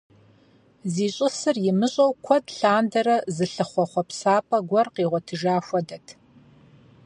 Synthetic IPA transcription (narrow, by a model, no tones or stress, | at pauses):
ziːɕʼɪsɨrjɪmɨɕʼɐwkʷʰɔdɬaːndɐɾɐzɨɬɨχʷɔχʷɔpsaːpʼɐɡʷɔrqiːʁʷɔtʰɨʒaːxʷɔdɐtʰ